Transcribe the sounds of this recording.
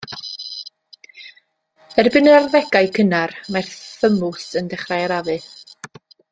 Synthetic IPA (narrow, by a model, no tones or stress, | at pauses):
hɛrbɨnəarðɛɡajkʰənarmarθəmʊsəndɛχrajaɾaðɨ